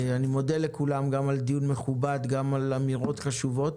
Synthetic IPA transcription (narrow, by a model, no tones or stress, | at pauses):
animo̞d̪elekulamɡamald̪ijunme̞χubad̪ɡamalamiʁo̞t̪χaʃuvo̞t̪